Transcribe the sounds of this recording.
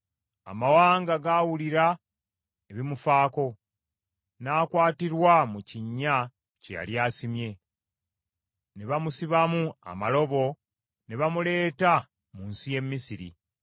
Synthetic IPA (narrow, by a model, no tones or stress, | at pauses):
a̰mawaːŋɡaɡawuliɾa | eβimufaːko̞ | naːkwaːtiɾwamuciɲːa | cḛja̰ljaːsimje̞ | neβamusiβamua̰malo̞βo̞ | neβamule̞ːta | munsije̞mːisiɾḭ